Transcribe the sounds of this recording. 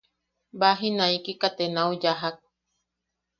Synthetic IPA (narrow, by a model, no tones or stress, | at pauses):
baɦinãikikat̪enaud͡ʒaɦak̚